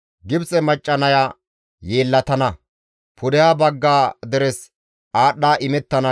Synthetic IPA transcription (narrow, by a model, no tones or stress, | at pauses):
ɡɪbt͡sʼɛmɐt͡ʃʼːɐnɐjaː | je̞ːlːɐt̪ɐnɐ | pʰʊd̪ɛjaːbɐɡːaːd̪ɛɾɛs | aːɗːaːʔɪmɛt̪ːɐnɐ